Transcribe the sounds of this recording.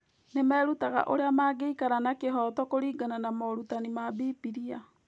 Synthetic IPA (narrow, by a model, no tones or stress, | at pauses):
nemɛːɾutaɣa̰ʔo̰ɾeamaːɡeikaɾanakeɦɔtɔkoɾiːɡananamɔɾutanimabiːpiɾia